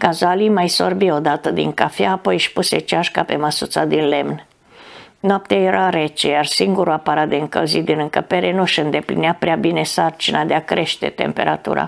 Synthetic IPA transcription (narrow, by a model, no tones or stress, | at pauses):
kazalimajso̞̰rbio̞d̪at̪əd̪ḭŋkafjaːpo̞jʃpuset͡ʃaʃkape̞məsut̪sad̪inle̞mn | noap̚t̪aje̞ɾaɾe̞t͡ʃejarsiŋɡuɾuapaɾat̪̚d̪eɨŋkə̰lzit̪̚d̪inɨŋkəpe̞ɾenuʃɨnd̪e̞plḭneapɾeabine̞sart͡ʃinad̪eakɾe̞ʃt̪e̞̰t̪e̞̰mpe̞̰ɾʔa̰t̪ṵɾa̰